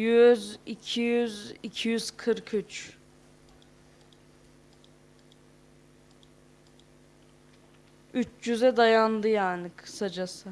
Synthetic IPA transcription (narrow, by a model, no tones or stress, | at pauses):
jyzicʰijyzicʰijyz̥kʰɯɾkʰyt͡ʃ | yt͡ʃjyzɛd̪ajand̪ɯjaːnɪkʰɯ̥sad͡ʒasɯ